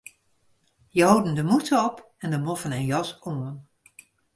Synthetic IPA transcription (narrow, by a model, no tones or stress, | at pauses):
jəowdəndəmutəɔp | ɛndəmɔfənɛnjɑsoən